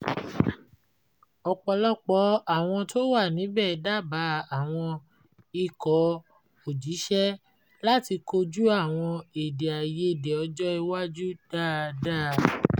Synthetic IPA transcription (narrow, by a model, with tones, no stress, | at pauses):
ɔ˧k͡pɔ˨˧˨lɔ˦k͡pɔ˨˦a˦˨w̃ɔ̃˧to˦wa˦˨nĩ˨˦bɛ˦˨da˦˨ba˨˦a˦˨w̃ɔ̃˧ | i˧kɔ˨˦ | o˨d͡ʒi˨˦ʃɛ˦ | la˦ti˧ko˧d͡ʒu˦a˦˨w̃ɔ̃˧e˨de˨a˨je˨˧˨de˨ɔ˧d͡ʒɔ˦i˧wa˦d͡ʒu˦d̥a˦˧da˦˨